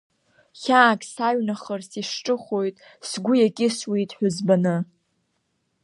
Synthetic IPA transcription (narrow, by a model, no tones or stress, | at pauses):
χʲaːkʼsaɥnaχərsiʂʈ͡ʂʼɨχo̞jtʼ | sɡʷʊjakʲʼɪswitʼħʷᶣʊzbanɨ